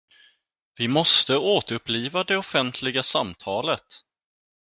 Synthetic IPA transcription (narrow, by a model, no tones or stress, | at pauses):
vɪmɔst̪əoːt̪əɵpːliːvad̪ɛɔfɛnt̪ʰlɪɡasamt̪ʰɑːlət̪